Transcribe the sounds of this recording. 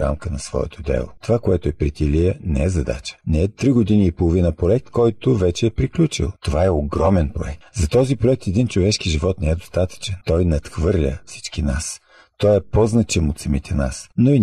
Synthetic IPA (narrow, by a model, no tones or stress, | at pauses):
ɾa̰mkənɐsvɔ̰ɛ̰t̪ʰod̪ɛ̰lˠo̰t̪ovakoɛt̪ʊɛpɾit̪iliənɛɛzɐd̪a̰t͡ʃə̥nɛɛt̪ɾiɡod̪iniːpolˠovinəpɾoɛk̚t̪kɔjt̪ovɛt͡ʃɛːpɾiklʲut͡ʃḭlˠt̪ovaɛoɡɾɔmɛnpɾo̰ɛk̚t̪zɐt̪ɔzipɾoɛk̚t̪ɛd̪int͡ʃovɛʃkiʒivɔt̪nɛɛd̪ost̪at̪ə̥t͡ʃɛnt̪ɔjnɐt̪xvɤɾlʲəfsi̥t͡ʃkinas | t̪ɔjɛpɔznɐt͡ʃɛmot̪sɐmit̪ʰɛna̰snoi